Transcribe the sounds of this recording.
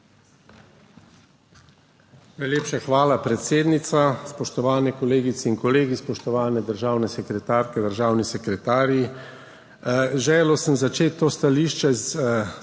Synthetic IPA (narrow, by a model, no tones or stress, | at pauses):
najleːpʃaxʋaːlapɾɛt̪seːd̪nit̪saspɔʃt̪ɔʋaːnɛkɔleːɡit̪sɛinkɔleːɡispɔʃt̪ɔʋaːnɛd̪əɾʒaːwnɛsɛkɾɛt̪aːɾkɛd̪əɾʒaːwnisɛkɾɛt̪aːɾi | ʒɛːlosəmzat͡ʃeːt̪ːoːst̪aliːʃt͡ʃɛz